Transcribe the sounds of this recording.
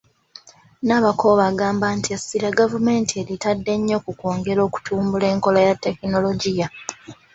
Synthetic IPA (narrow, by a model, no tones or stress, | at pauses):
naːβakʰo̞ːβaːɡaːmbantiasiɾaɡavume̞ːntʰie̞ɾitadːe̞ɲːo̞kuko̞ːŋɡe̞ɾo̞ːku̥tʰuːmbule̞ːŋko̞lajatːe̞kino̞lo̞ɟija